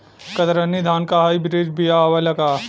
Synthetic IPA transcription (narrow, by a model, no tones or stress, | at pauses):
kɐt̪ɾɐnːid̪ʱaːnkaɦaːibɾid͡ʒbijaːʋɐlɐkaː